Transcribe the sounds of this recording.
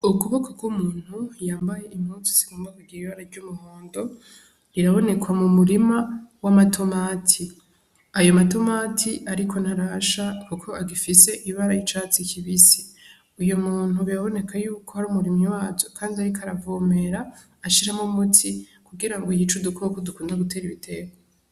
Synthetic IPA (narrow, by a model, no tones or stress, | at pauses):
ukuβokʰoɡwumuːn̥hujaːmbaje̞ʔimhut͡si̥si̥ɡoːmbakuɡiɾiiβaɾaɾɟumuhoːndo̞ | iɾaβo̞ne̞kwamumuɾimawamatʰo̞maːtʰi | ajo̞mato̞maːtʰiʔaɾikʰo̞nhaɾaʃakukʰo̞aɡifise̞ʔiβaɾajit͡ʃaːt͡sikʰiβisi | ujomuːn̥uβiaβo̞ne̞kʰajuːkʰo̞aɾuːmuɾimɲiwaːzokʰaːndiaɾikʰaɾavoːme̞ɾaː | ʃiɾamumutʰi | kuɡiɾaŋɡojit͡ʃudukʰokodukuːndaɡute̞ːɾiβitʰe̞ɡa